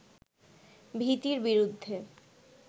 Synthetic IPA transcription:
bʱit̪iɾbiɾud̪ʱːe

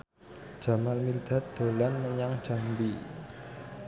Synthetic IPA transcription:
d̥ʒ̥a̤malmild̪̥a̤t̪̚d̪̥o̤lanməɲaŋ̥d͡ʒ̥a̤mbi

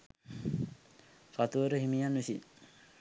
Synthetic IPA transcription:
fat̪uʋəɾəɦimijanʋisḭ

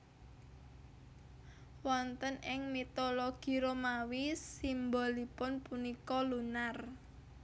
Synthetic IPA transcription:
wɔnt̪ənɪŋmit̪oloɡ̥i̤ɾomawisimbɔlipʊnpunikɔlunar

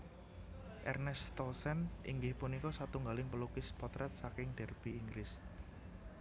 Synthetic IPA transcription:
ʔɛrnɛst̪ɔlsɛnʔḭŋɡɪhpunikɔsat̪uŋɡalɪŋpəlukɪspɔt̪ɾɛt̪̚sakɪŋd̥ɛ̤rb̥iːŋɡɾɪs

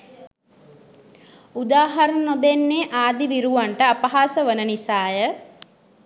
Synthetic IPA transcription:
ud̪aːɦaɾənnod̪enːeːʔaːd̪iʋiɾuʋaɳʈəapəɦaːsəʋənənisaːjə

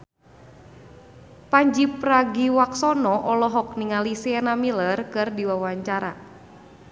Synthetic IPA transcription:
paɲd͡ʒipɾaɡiwaksɔnɔʔɔlɔɦɔk̚niŋalisiɛnamilərkɨrdiwawaɲt͡ʃaɾa̰

